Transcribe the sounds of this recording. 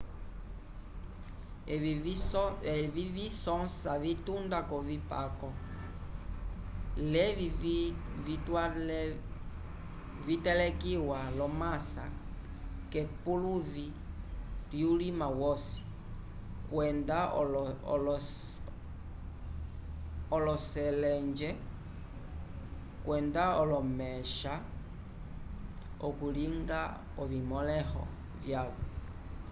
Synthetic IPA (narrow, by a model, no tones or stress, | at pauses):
vivisɔnsavitundakɔvipa̰kɔ | lɛ | vitwa | vitɛlɛkiwalɔmasa̰ | kɛpuluvi | ljulimawɔsi̥ | kwɛnda | l | ɔlɔsɛlɛnd͡ʒɛ | kwɛndaɔlɔmɛʃa | ɔkuliŋɡa | ɔvimɔlɛhɔ̰ | vjaβɔ